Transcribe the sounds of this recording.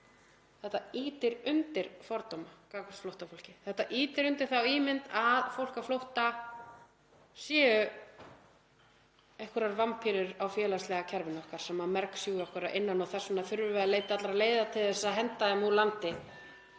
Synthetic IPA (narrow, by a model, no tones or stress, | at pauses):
θɛht̪ːaiːt̪ɪɾʏnt̪ɪɾ̥fɔɾt̪omakaːkʏst̪flowht̪afowlcɪθɛht̪ːaʔiːt̪ɪɾʏnt̪ɪɾ̥θawiːmɪnt̪aðfowl̥kaflowht̪a | sjɛːʏ | ejhkʏɾaɾvampʰiɾʏɾawfjɛːlast̪lɛɣacʰaɾvɪnɔhkaɾ̥sɛmːamɛɾksjuːɾɔkvɛɾaʔɪnːanɔwθɛsɔnaθʏɾvʏvɛðaleːjt̪ɪat̪laɾaleːjðat̪ʰɪlθɛsːaðɦɛnt̪aðɪmulant̪ɪ